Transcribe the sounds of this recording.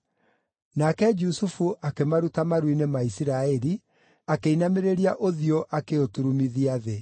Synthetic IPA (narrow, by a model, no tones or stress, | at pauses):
nakɛd͡ʒusufuʔakemaɾutamaɾwinemaisiɾaɛɾi | akeinameɾeɾiaʔoðioʔakeotuɾumiðiaðe